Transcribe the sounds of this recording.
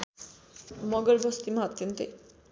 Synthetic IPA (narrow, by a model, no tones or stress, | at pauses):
mɔɡəɾbʱost̪imat̪̚kent̪e